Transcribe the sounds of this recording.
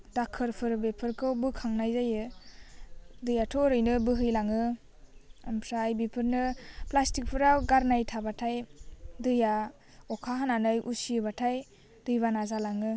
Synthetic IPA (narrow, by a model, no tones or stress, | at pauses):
dakʰɯɾpʰɯɾbepʰɯɾkʰɯwbɯkʰaŋnajzajɯ | dɯjatʰɔɾɯjnɯbɯɦɯjlaŋɯ | ampʰɾaːjbipʰɯɾnɯplastik̚pʰɯɾawɡaɾnajtʰabatʰajdɯja | ɔkʰaɦananɯjʔṵsiɯbatʰaj | dɯjbanazalaŋɯ